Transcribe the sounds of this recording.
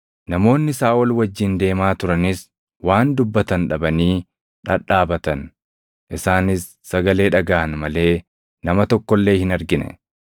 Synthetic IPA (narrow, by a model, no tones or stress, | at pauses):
nɐmo̞ːnːɪsaːɔlwɐd͡ʒːɪnd̪e̞ːmaːt̪ʊɾɐnɪs | waːnd̪ʊbːɐt̪ɐnᶑɐbɐniː | ᶑɐᶑaːbɐt̪ɐn | ʔɪsaːnɪsːɐɡɐle̞ːᶑɐɡaːʔɐnmɐle̞ː | nɐmɐt̪ɔkːɔlːe̞ːhɪnɐɾɡɪnɛ̰